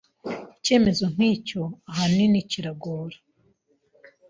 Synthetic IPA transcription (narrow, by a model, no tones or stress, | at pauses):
ice̞ːme̞zoŋ̥hiːco̞aɦaniniciɾaɡoːɾḁ